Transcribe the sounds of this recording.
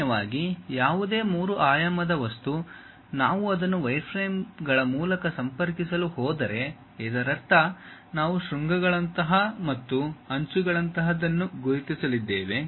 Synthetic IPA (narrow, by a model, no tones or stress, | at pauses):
ɐʋaːɡijaːʋud̪e̞ːmuːɾuʔaːjɐmɐd̪ɐʋɐst̪u | naːʋuɐd̪ɐnːuʋɐjɾpʰɾeːmɡɐɭɐmuːlɐkɐsɐmpɐɾkisɐluhɔːd̪ɐɾe̞ | ɛd̪ɐɾɐɾt̪ːɐnaːʋuʃɾuŋɡɐɡɐɭɐnt̪ɐɦɐmɐt̪ːuɐɲt͡ʃuɡɐɭɐnt̪ɐɦɐd̪ɐnːuɡuɾit̪isɐlid̪ːeːʋe